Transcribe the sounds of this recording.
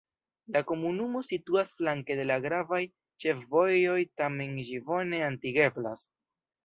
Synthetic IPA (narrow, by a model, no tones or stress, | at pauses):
lako̞munumo̞situasflaŋke̞de̞laɡɾavaj | t͡ʃe̞fvo̞jo̞jtame̞nʒivo̞ne̞antiɡe̞bla̰s